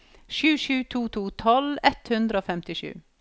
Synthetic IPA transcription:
ʃʉːʃʉːt̪ʰuːt̪ʰuːt̪ʰɔlɛt̪hʉnd̪ɾəoːfɛmt̪ɪʃʉ̰ː

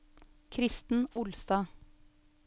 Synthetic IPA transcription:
kʰɾɪst̪n̩ʊlst̪ɑː

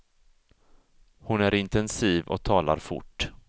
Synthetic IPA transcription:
hʊnæɾɪnt̪ɛnsiːvɔ̰k̚t̪ʰɑːla̰ɾfʊ̰ʈː

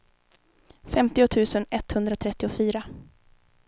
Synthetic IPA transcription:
fɛmt̪ɪʊt̪ʰʉ̟ːsənɛt̪ːhɵnd̪ɾat̪ʰɾɛt̪ːɪʊfyːɾa

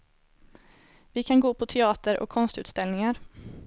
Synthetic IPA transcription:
vɪkʰanɡoːpʰɔt̪ʰɛɑːt̪əɾʔɔ̰kʰːɔnst̪ʉ̟ːt̪st̪ɛlnɪŋaɾ

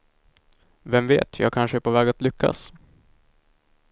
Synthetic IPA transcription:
vɛmvḛːt̪ʰjɑ̰ːɡ̚kʰanʂəæːɾpʰovɛːɡat̪lʏkʰːa̰s

